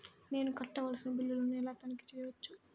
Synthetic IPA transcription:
ne̞ːnukɐʈːɐʋɐlɐsinɐbilːulonɛlaːt̪ɐniki̥t͡ʃɛjɐʋɐt͡ʃːu

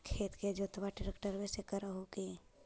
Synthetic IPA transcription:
kʰeːt̪ked͡ʒoːt̪əbaʈɪɾekʈəɾbɛːsekəɾaɦoki

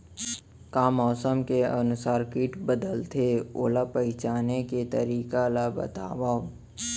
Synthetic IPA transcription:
kaːmɔːsəmkeənʊsaːɾkiːʈbəd̪əlt̪ʰeo̰ːlapɐɪt͡ʃaːneket̪ə̰ɾiːkalabə̰t̪a̰ːwa

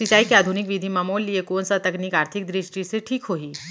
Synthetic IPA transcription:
sɪt͡ʃaːikiaːd̪ʱunɪkʋid̪ʱimɐmoːlːiekoːnsat̪ɐknikaːɾt̪ʰɪk̚d̪ɾɪʃʈiseʈʰiːkɦoːiː

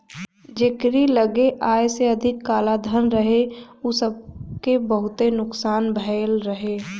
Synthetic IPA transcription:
d͡ʒeːkɾiləɡeʔaːjseəd̪ʱɪkːaːlad̪ʱənɾəɦeusəb̚kebəɦʊt̪enʊksaːnbʱɛlɾəɦeː

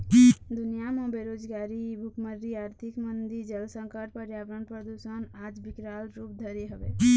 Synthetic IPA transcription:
d̪ʊnijamãbeɾoːd͡ʒɡaːɾibʱʊkməɾɾiaːɾt̪ʰɪkmənd̪id͡ʒəlsə̃ŋkəʈ̚pəɾjaːʋɾəɳpɾəd̪uʃənaːd͡ʒbɪkɾaːlɾuːp̚d̪ʱəɾeɦəʋḛ

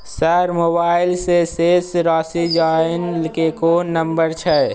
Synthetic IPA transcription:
səɾmoːbaːɪlseseːsɾaːsid͡ʒaːɪnlkekoːnːəmbəɾt͡ʃʰɛː

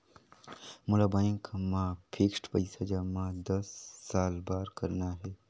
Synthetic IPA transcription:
mʊlaːbaːɪ̃ŋkmãːpʰiksʈpəɪsad͡ʒamãːd̪əsːaːlbaːɾkəɾnaɦeː

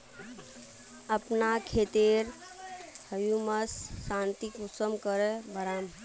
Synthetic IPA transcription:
əpnakʰet̪eɾ | həjuməsːãnt̪ikusəmkəɾebəɾaːm

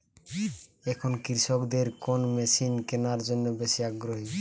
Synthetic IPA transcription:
ɛkʰonkiɾʃokd̪eɾkonmeʃinkenaɾd͡ʑonːobeʃiaɡɾoɦi

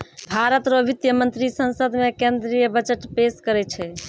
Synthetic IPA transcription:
bʱaɾət̪ɾobit̪jəmə̃nt̪ɾisə̃nsəd̪ʱmekend̪ɾijəbət͡ʃəʈpeskəɾɛt͡ʃʰɛ

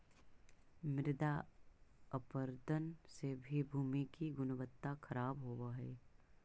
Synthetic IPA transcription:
mɪɾɪd̪a | əpəɾd̪ənsebʱibʱuːmikiɡʊnəʋət̪ːakʰəɾaːbɦowaɦɛː

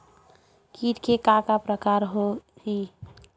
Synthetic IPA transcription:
kiʈkekakapɾəkaɾɦoɦi

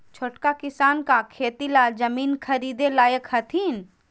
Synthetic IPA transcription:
t͡ʃʰoʈkakɪsaːnkakʰeːt̪ilad͡ʒɐmiːnkʰɐɾiːd̪elaːjəkhɐt̪ʰiːn

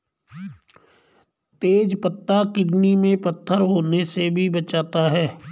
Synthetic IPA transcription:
t̪eːd͡ʒpət̪ːakɪɖnimẽpət̪ʰːəɾɦoːnesebʱibət͡ʃaːt̪aɦɛː

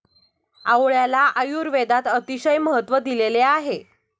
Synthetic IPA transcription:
aʋɭjalaʔəjuːɾʋed̪at̪ət̪iɕəjməɦət̪ːʋəd̪ileleaɦe

